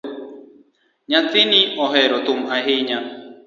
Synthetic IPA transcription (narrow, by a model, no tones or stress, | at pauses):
ɲãtɪniɔɦɛɾɔt̪ʊm̩aɦeɲa